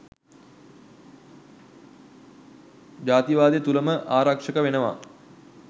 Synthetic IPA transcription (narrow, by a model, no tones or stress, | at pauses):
d͡ʒaːt̪iʋaːd̪ijət̪uləməʔaːɾakʂəkəʋenəʋa̰